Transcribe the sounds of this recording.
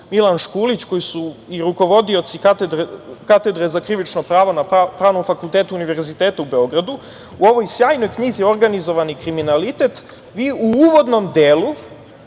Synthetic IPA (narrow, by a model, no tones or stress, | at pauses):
milanʃkuːlit͡ɕko̞jisuiɾuko̞ʋo̞d̪io̞t̪sikat̪d̪ɾkat̪e̞d̪ɾezakɾiʋit͡ʃnopɾaːʋonapɾaːʋno̞mfakulˠt̪eːt̪uuniʋe̞ɾzit̪eːt̪aube̞o̞ɡɾad̪u | uo̞ʋo̞jsjaːjno̞jkɲiːzio̞ɾɡanizo̞ʋanikɾiminalit̪e̞t̪ | ʋiːuuːʋo̞d̪no̞md̪eːlu